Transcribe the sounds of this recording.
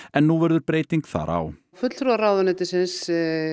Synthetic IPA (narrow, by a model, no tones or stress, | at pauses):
ɛnːuvɛɾðʏɾpɾeːjt̪iŋkθa̰ɾʔa̰w | fʏt̪l̥θɾuaɾawðanɪt̪ɪsɪns